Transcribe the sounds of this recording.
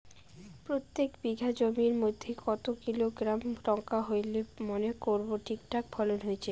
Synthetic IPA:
pɾot̪ːekbiɡʱad͡ʑomiɾmod̪ʱːekɔt̪okiloɡɾamɾɔŋkaɦojlemonekoɾboʈʰik̚ʈak̚bʰɔlonɦojet͡ɕʰe

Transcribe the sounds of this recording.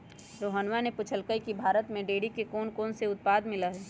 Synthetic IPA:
ɾoːɦənʋanepʊt͡ʃʰəlkəikibʱaːɾət̪mẽɖeːɽikekoːnkoːnseʊt̪̚paːd̪mɪlaɦɛː

